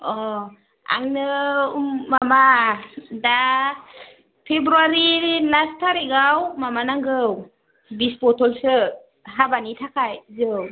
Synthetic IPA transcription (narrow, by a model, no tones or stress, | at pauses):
ɔ | a̰ŋnɯmmama | da | pʰebɾuaɾilastʰaɾiɡawmamanaŋɡɯw | bispɔtʰɔlsɯ | ɦabanitʰakʰajzɯw